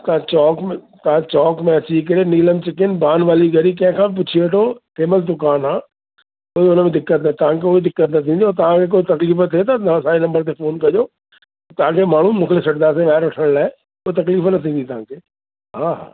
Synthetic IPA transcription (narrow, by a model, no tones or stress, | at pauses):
t̪ɐãt͡ɕɔːkmẽt̪ɐãt͡ɕɔːkmẽɐt͡ɕikɐɾeniːləmt͡ɕɪkɪnbaːnʋaːliɡʱɐɾikɐ̃ɦɪ̃kʰãp̬ʊt͡ɕʰiʋɐʈʰot̪ʰeːməzd̪ʊkaːnaː | koːiʊnəmẽd̪ɪkːət̪nɐt̪ɐʋ̤ãkʰeoɦid̪ɪkːət̪nɐt̪ʰĩːnd̪ijot̪ɐʋ̤ãkʰek̬oːit̪ɐkliːft̪ʰet̪ɐt̪ɐãsãːenɐ̃mbəɾt̪ʰefoːnkɐd͡ʑoː | t̪ɐʋ̤ãkʰeːmaːɳ̤ũmũːkʰlesɐɾd̪aːs̬ẽʋaːɦɪɾʋɐʈʰəɽ̃laːɦe | koːet̪ɐkliːfnɐt̪ʰĩːn̆d̪it̪ɐɦãːkʰeː | ɦaːɦa̰ː